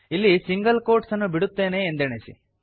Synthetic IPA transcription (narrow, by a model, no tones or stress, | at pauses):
ilːisiŋɡɐlko̞ːɾʈsɐnːubiɽut̪ːe̞ːne̞ːnd̪eɳesḭ